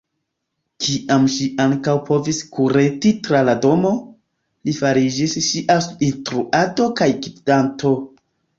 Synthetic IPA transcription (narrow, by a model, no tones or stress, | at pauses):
kʰiʔamʃiʔaŋkawpo̞viskuɾetitɾalado̞mo̞ | lifaɾid͡ʒisʃiʔasuinstɾuʔado̞kajɡibdanto̞